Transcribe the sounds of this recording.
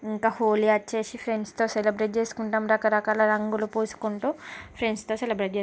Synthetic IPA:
iŋkaːhoːliɐt͡ʃːe̞ːsipʰɾeɳɖst̪o̞ːselibɾeʈ̚d͡ʒe̞ːsu̥kuɳʈɐmɾɐkɐɾɐkaːlɐɾɐŋɡulupuːsu̥kuɳʈuːpʰɾeɳɖst̪oːselibɾeːʈ̚d͡ʒe

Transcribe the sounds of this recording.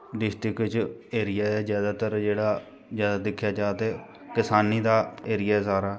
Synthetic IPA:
d̪ɪʃt̪ikɪt͡ʃeːɾɪjaːɛːzjaːd̪aːt̪əɾd͡ʒeːɽaː | zjaːd̪aːd̪ɪkʰːjaːd͡ʒaːt̪eː | kɪsaːniːd̪aːeːɾɪjaːsaːɾaː

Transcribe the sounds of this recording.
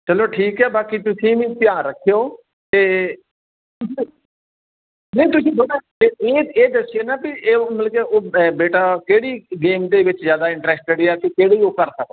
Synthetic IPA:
t͡ʃəloːʈʰiːkɦɛːbaːkiːt̪ʊsĩːʋĩːpɪjãːɾəkʰːejoː | t̪eː | t̪ʊsĩ | nə̃ĩt̪ʊsĩːboɽaː | eeːeːd̪əsɪeːnaːbieːməlkeːʔoːbeːʈaːkeːɽiːɡeːmd̪eːʋɪt͡ʃzjaːd̪aːɪ̃ɳʈɾɛːsʈ̚t͡ʃəɽeɛːkekeːɽeiːoːkəɾsək̚o

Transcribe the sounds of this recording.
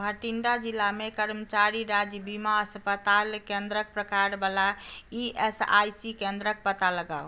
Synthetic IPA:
bʱəʈiɳɖad͡ʒilːamekəɾmət͡ʃaɾiɾad͡ʒjəbimaəspət̪alkẽnd̪ɾək̚pɾəkaɾbalaiesa̰jsikẽnd̪ɾək̚pət̪aləɡa̰o

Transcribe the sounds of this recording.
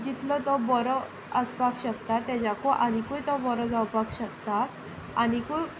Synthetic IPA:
d͡ʑit̪lɔt̪ɔbɔɾɔ | əspakɕəkt̪at̪ɛd͡ʑakoʔaɽ̃ikujt̪ɔbɔɾɔd͡zawpakɕəkt̪aː | ɽ̃ikuj

